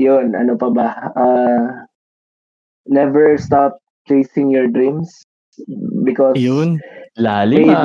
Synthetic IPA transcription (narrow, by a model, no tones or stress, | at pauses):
jʊnʔɐ̰nopɐbɐʔa | nɛvɛɹst̪ap̚ | t͡ʃejsɪ̃ŋjɔɹd̪ɹĩms | bɪkɔsjʊnlaːlɪe